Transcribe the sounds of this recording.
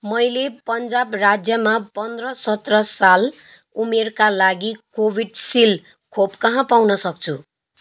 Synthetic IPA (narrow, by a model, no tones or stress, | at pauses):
mʌjlepʌnd͡zabrad͡zjʌmapʌnd̪rʌsʌt̪rʌsal | umerkalaɡikobʱiɖsil | kʰopkʌɦãpawnʌsʌk̚t͡sʰu